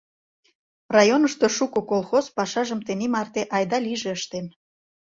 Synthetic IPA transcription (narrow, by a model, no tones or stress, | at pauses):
rɑjonəʃt̪oʃukokolˠxozpɑʃɑʒə̆mt̪enimɑrt̪eʔɑjd̪ɑliʒeəʃt̪en